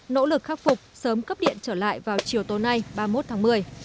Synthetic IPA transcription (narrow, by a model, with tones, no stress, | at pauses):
no̰˧˥lɨ˨˩k̚xaː˦˥k̚fʊ˨˩k͡p̚səː˨˦mkə˦˥p̚ɗḭ˧˨ənt͡ɕəː˧˩la̰ː˧˨jvaː˨˩wt͡ɕi˨˩əwt̪o˨˦na˧jɓaː˧mo˦˥t̚t̪ʰaː˨˦ŋmɨ˨˩əj